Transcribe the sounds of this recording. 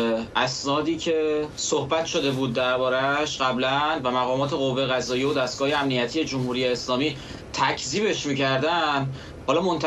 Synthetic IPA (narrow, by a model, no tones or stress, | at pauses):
ʔæsnɒːd̪iːcʰe̞sohbæt̪ʰʃod̪e̞buːd̪̚ːæɾbɒːɾæʃɢæblænvæmæɣɒːmɒːt̪ʰe̞ɣovːejeɣæzɒːjiod̪æst̪̚ɡ̥ɒːjeæmnijæt̪ʰijed͡ʒomhuːɾijeːslɒːmiː | t̪ʰæcʰziːbe̞ʃmiːcæɾd̪æn | hɒːlɒːmo̞nt̪ʰ